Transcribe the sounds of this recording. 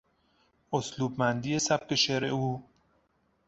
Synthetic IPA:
osluːbmænd̪iːesæp̚keʃeɾeuː

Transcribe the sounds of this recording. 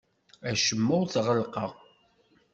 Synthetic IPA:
æʃəmːʊwθʁəlqɑʁ

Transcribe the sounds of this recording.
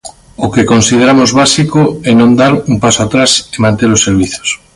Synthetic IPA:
okekõnsið̞eɾamozβasikoɛnõnd̪aɾuŋpasoat̪ɾasemãnt̪eɾosːeɾβiθo̥s

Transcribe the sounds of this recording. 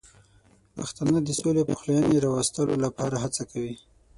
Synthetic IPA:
pa̰xt̪anəd̪əsolepəxlajaneɾɑwast̪əlo̰lapɑɾaɦat͡sakawi

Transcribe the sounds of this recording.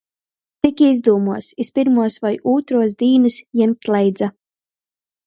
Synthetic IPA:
t̪ikʲizd̪uːmuɔsispiɾmuɔsvajuːt̪ɾuɔsd̪iːnɨsjɛmt̪lɛjd̪za

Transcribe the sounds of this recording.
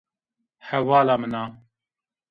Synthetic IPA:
hɛwɑːlaːmɨnɑː

